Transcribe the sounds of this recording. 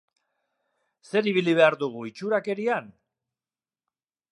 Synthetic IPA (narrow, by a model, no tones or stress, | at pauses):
se̞ɾiβiliβ̞e̞aɾðuɣ̞uit͡ʃuɾake̞ɾian